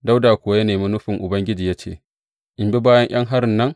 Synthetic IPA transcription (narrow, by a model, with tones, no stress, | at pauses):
da˦wdaː˨kʷʊ˨˦a˦jɐ˦neː˨mi˦nʊ˦ɸɪ˨ŋʔʊ˨bɐ˦ŋɡʲɪ˦d͡ʒiː˨ja˦t͡ʃḛː˨ | ʔɪ˨mbi˦baː˦jɐ˦ŋj̰ɐ˦ŋɦa˦ɾɪ˨nːɐ˦ŋ